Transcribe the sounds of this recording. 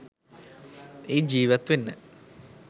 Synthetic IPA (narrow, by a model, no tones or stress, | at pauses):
iːd͡ʑiːʋɐt̪ːʋinːɨ